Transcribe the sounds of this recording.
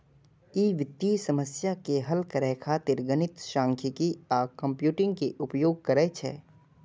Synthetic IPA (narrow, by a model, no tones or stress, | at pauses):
iːʋɪt̪ːisɐməsjakeɦɐlkɐɾɛːkʰat̪ɪɾɡənɪt̪ʃãːŋkʰikiaːkɐ̃mpjuːʈɪ̃ŋɡkeʔʊpjoːɡ̚kɐɾɛːt͡ʃʰɛ̰ː